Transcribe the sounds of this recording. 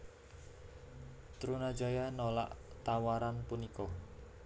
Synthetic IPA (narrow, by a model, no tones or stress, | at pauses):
t̪ɾunḁd͡ʒajanola̰ʔt̪awaɾanpunikɔ